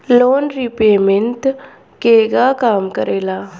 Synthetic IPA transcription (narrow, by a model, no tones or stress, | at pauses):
loːnɾipeːment̪ | keːɡakaːmkəɾeːlaː